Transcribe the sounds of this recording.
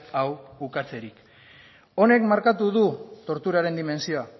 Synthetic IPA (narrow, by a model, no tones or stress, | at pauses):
awbukat͡se̞ɾik | o̞ne̞kmaɾkat̪uðut̪o̞ɾt̪uɾaɾe̞nd̪ime̞nsio̞a